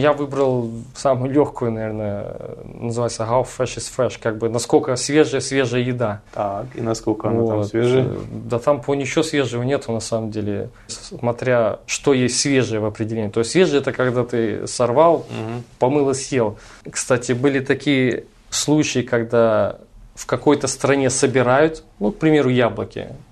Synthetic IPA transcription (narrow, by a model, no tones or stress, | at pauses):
javɨbɾəlˠsamʊjʊlʲoxkʊjʊnɐvʲernəənəzɨvajt̪səɣaffɛʂɨsfɛʂkaɡ̚bɨnɐskolʲkəsʲvʲeʐɨjəsʲvʲe̞ʐɨjəjɪd̪at̪akinɐskokvosʲed̪at̪amponʲɪt͡ɕɪosʲvʲe̞ʐɨəvənʲet̪ʊnɐsaməmdʲelʲɪ̰ | smɐt̪ɾʲaʂt̪o̞jesʲtʲsvʲe̞ʐɨjəvɐpɾʲɪdʲɪlʲenʲɪjt̪ost̪ʲsvʲe̞ʐɨjəɛt̪əkɐɡd̪at̪ɨsɐrval̩ˠpɐmɨlˠəsʲjelˠkst̪atʲɪbɨlʲɪt̪ɐkʲijə | slˠut͡ɕɪɪkɐɡd̪a | fkɐko̞jt̪əst̪ɾɐnʲe̞səbʲɪɾajʊt̪nuk̚pɾʲɪmʲe̞ɾʊjablˠəkʲɪ̰